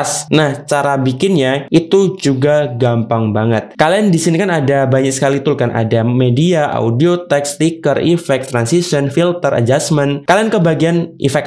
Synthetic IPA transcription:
snaht͡ʃaɾabikɪnɲaʔit̪ud͡ʒuɡaɡampaŋbaŋət̪̚kaliandisinikanadabaɲak̚sə̥kalit̪ʊlkanʔa̰damediaʔa̰udiot̪ɛkst̪ikərifɛk̚t̪ɾansisənfilt̪əɾə̰d͡ʒasmənkaliankəbaɡianḭfɛk̚

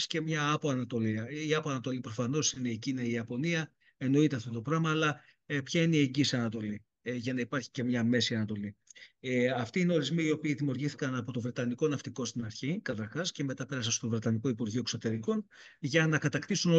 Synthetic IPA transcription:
sce̞mɲɐɐpo̞ɐnɐt̪o̞liɐiɐpoɐnɐt̪o̞lipɾo̞fɐno̞sineːcinɐiɐpo̞niɐ | e̞no̞it̪e̞ɐft̪o̞t̪o̞pɾɐmɐːlɐ | pçɐineieɲɟisiɐnɐt̪o̞li | ʝɐnɐipɐɾçi̥ce̞mɲɐme̞siɐnɐt̪o̞li | ɐft̪iineo̞ɾizmiio̞piːðimiuɾʝiθi̥kɐnɐpo̞t̪o̞vɾe̞t̪ɐniko̞nɐft̪iko̞st̪inɐɾçikɐt̪ɐɾxɐsce̞me̞t̪ɐpe̞ɾɐsɐst̪ovɾe̞t̪ɐniko̞ipuɾʝiuoe̞kso̞t̪e̞ɾiko̞nʝɐnɐkɐt̪ɐkt̪isuno

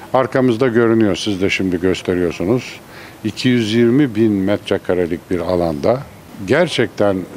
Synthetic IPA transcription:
aɾkʰamɯzd̪aɟø̞ɾynyjo̞ɾsizd̪ɛʃimd̪iɟø̞st̪ʰe̞ɾijo̞ɾsunuz̥ | icʰijyzjiɾmibinmɛt̪ɾɛkʰaɾalʲic̚biɾalˠand̪a | ɟæɾt͡ʃʰɛc̚t̪ʰæn

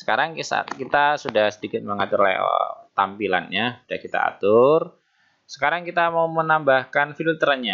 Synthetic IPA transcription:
sə̥kaɾaŋsa̰a̰t̪̚kit̪asudahsədikɪt̪̚məŋat̪ʊrla̰t̪ampila̰nɲasud̥ahkit̪a̰a̰t̪ʊr | sə̥kaɾaŋkit̪amaumənambahkanfilult̪əɾaɲa

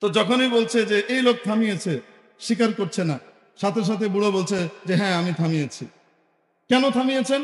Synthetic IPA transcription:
t̪od͡ʑɔkʰonijbolt͡ɕʰed͡ʑeʔejlok̚t̪ʰamijet͡ɕʰe | ʃik̬aɾkoɾt͡ɕʰena | ʃat̪ʰeʃ̬at̪ʰebuɽobolt͡ɕʰed͡ʑeɦɛ̃amit̪ʰamijet͡ɕʰi | kɛnot̪ʰamijet͡ɕʰen

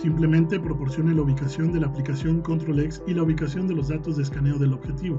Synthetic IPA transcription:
simple̞mẽnt̪e̞pɾopo̞ɾsjo̞nelauβikasjo̞nd̪e̞laːplikasjo̞ŋkont̪ɾoleksilauβikasjo̞nd̪e̞lozðat̪ozðeskane̞oðelo̞βxet̪iβo

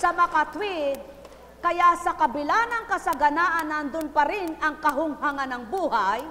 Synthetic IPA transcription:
sɐmɐkat̪wɪd̪̚ | kɐjasɐkɐbɪlaːnɐŋkɐsɐɡɐnaːʔɐnːɐnd̪ʊnpɐɾɪnɐŋkɐɦʊŋhaŋanɐŋbuːhaj

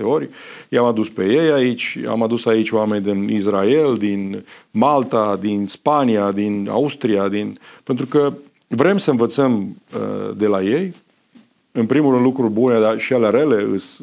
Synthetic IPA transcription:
eo̞ɾʲjamad̪uspejejait͡ʃʲa̰mad̪usait͡ʃʲoame̞nʲd̪inisraeld̪inmalt̪ad̪inspaniad̪ina̰ust̪ɾiad̪inpent̪ɾukə | vɾe̞msəɨnvət̪səmə̰d̪e̞laje̞j | ɨnpɾimurɾɨnd̪lukɾurʲbuned̪aʃialeaɾele̞ɨ̰s

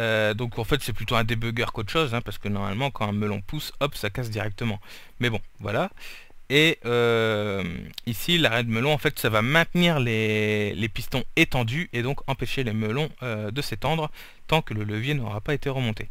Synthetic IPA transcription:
ød̪ɔ̃kʰɑ̃fɛt̪sɛplyt̪oɛ̃d̪ebøɡʲœʁkot̪əʃozɛ̃paʁsə̥kənɔʁma̰lmɑ̃kɑ̃ɛ̃məlɔ̃pusɔpsakas̬d̪iʁɛk̚t̪əmɑ̃ | mɛbɔ̃vwa̰la | eømisilaʁɛd̪əməlɔ̃ɑ̃fɛt̪savamɛ̃t̪niʁlelepist̪ɔ̃et̪ɑ̃d̪yed̪ɔ̃kɑ̃peʃeleməlɔ̃ød̪əset̪ɑ̃d̪ʁ | t̪ɑ̃kələləvjenɔ̰ʁapaet̪eʁəmɔ̃t̪e

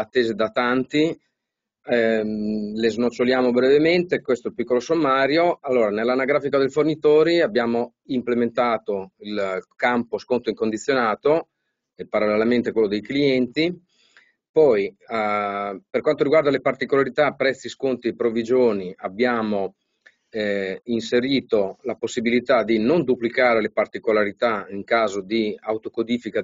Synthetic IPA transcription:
at̪ːeːzed̪at̪ant̪i | leznot͡ʃːoljaːmobɾevement̪ekwest̪oɛlpikːolosomːaːɾjoalːoːɾanelːanaɡɾaːfikad̪ejfornit̪oːɾiabːjaːmo | implement̪aːt̪oilkamposkont̪oiŋkond̪it̪sːjonaːt̪o | epaɾalːelament̪ekwelːod̪ejkliɛnt̪i | pɔj | perkwant̪oɾiɡward̪alepart̪ikolaɾit̪apːɾɛt̪sːiskont̪iepɾovid͡ʒoːniabjaːmo | inseɾiːt̪olaposːibilit̪ad̪inond̪uplikaːɾelepart̪ikolaɾit̪aiŋkaːzod̪iawt̪okod̪iːfika

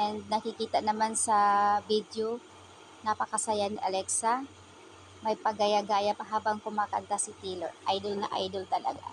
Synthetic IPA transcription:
ʔɛnd̪̚nɐkɪkiːt̪ɐnɐmansɐbid̪jo | nɐpɐkɐsɐjanɪʔɐlɛksa | mɐjpɐɡɐjaɡaːjɐpɐɦaːbɐŋkʊmaːkɐnt̪asɪt̪iːlo̰ʔa̰jd̪olnɐ̰ʔa̰jd̪olt̪ɐlɐ̰ɡa̰

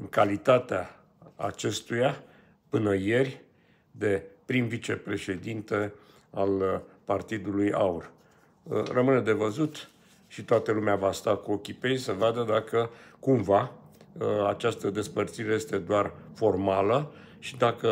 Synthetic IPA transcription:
ɨŋkalit̪at̪ea̰ː | t͡ʃe̞st̪uja | pɨnəje̞rʲ | d̪e̞pɾimvit͡ʃe̞pɾe̞ʃe̞d̪int̪e̞ | alpart̪id̪uluja̰ur | rəmɨne̞d̪e̞vəzut̪ | ʃit̪oat̪əlumeavast̪akuokʲipejsəvad̪əd̪akəkumva | at͡ʃast̪əd̪e̞spərt̪siɾe̞je̞st̪e̞d̪oarfo̞rmalə | ʃid̪akə

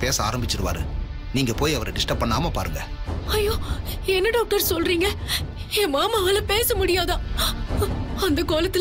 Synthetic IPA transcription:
peːsɐaːɾɐmbɪt͡ʃːɪɾɯʋa̰ːɾɯ̰ | niːŋɡɐpoːjɐʋɐɾɐɖɪsʈɐpːɐɳːaːmɐpaːɾɯŋɡɐ | ɐjːoː | ɛnːɐɖaːk̚ʈɐɾsɔlɾiːŋɡɐ | eːmaːmaɐːlɐpeːsɐmʊɽɪjaːðãː | ɐnd̪ɐkoːlɐt̪ːɪ

